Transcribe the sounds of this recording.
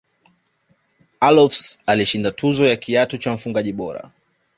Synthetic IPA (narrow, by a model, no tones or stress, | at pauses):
alɔfsaliʃindatʰuzɔjakʰiatɔt͡ʃam̩fuŋɡaʄiɓɔɾa̰